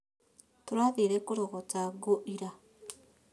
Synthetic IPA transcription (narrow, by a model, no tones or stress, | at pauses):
toɾwaðeɾɛkoɾoɣɔtaɡoʔiɾa